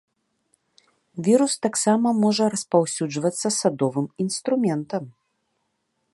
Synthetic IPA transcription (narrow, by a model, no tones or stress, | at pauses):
vʲiɾust̪aksamɐmɔʐɐɾɐspawsʲud͡ʐvɐt̪sːɐsad̪ɔvɨminst̪ɾumʲɛnt̪ɐm